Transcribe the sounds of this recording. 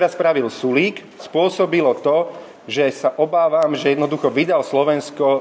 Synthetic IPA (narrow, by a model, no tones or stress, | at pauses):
ɛɾaspɾaʋilsuliːk | spʊɔsɔbilɔt̪ɔ | ʒɛsaʔɔbaːʋaːmʒɛjɛd̪nɔd̪uxɔʋid̪alslɔʋɛnskɔ